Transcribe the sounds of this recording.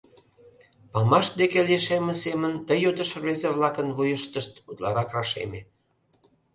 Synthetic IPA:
pɑmɑʃd̪ekeleʃemə̆semənt̪əjod̪əʃβezeβlɑkənβujəʃt̪əʃt̪ut̪lɑɾɑkrɑʃḛme

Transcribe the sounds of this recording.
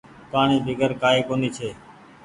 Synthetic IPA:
paːɳiːbʱɪɡəɾkaːɦiːkoːniːt͡ʃʰeː

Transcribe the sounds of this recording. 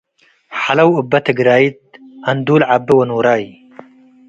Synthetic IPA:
ħalɐwʊbːɐt̪ɐɡɪɾaːit̪̚ɐnd̪uːlʕabɪwɐnuːɾɑːji

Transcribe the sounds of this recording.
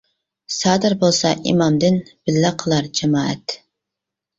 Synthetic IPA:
sɑːd̪ɨɾbolˠsɑ̰ʔḭmɑmd̪ɪnb̥ɪlːæqʰəlˠɑɾd͡ʒɛmɑːɛ̰t̪

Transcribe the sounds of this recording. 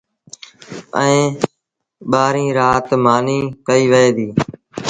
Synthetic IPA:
əẽː | ɓaːɾĩːɾaːt̪maːniːkəiːʋəeːd̪iː

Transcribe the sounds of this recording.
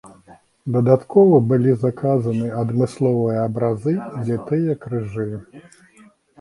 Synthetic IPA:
d̪ɐd̪at̪kɔvɐbɨlʲizɐkazɐnɨɐd̪mɨslˠɔvɨjɐːbɾazɨd̪lʲat̪ɨjɐkɾɨʐɨ

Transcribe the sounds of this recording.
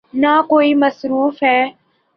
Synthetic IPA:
naːkoːiːməsɾuːfɦɛː

